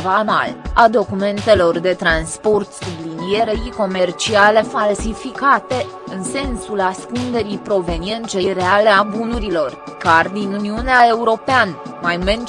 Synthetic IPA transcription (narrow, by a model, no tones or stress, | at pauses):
vama̰lad̪o̞kume̞nt̪e̞lo̞rd̪e̞t̪ɾanspo̞rt̪sublinije̞ɾeɾijko̞me̞rt͡ʃiale̞falsifikat̪e̞ | ɨnse̞nsulaskund̪e̞ɾipɾo̞ve̞nie̞nt͡ʃejre̞aleabunuɾilo̞r | kard̪inuniuneae̞uɾo̞peanmajmen